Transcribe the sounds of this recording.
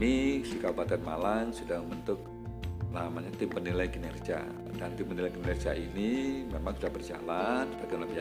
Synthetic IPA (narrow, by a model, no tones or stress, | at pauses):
isikaubat̪̚kanmalaŋsudaŋbənt̪ʊk̚ | lamaɲat̪ɪmpənilajkənɛrd͡ʒa̰ | dant̪ɪmpənilajkənnɛrd͡ʒia̰inimemaŋsudahbərd͡ʒa̰lanəpakamlabia